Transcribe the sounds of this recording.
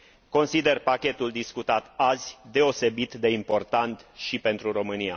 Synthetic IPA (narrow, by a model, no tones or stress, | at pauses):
ko̞nsid̪e̞rpakʲe̞t̪uld̪iskut̪at̪azʲd̪e̞o̞se̞bit̪d̪e̞impo̞rt̪ant̪ʃipe̞nt̪ɾuɾo̞mɨnia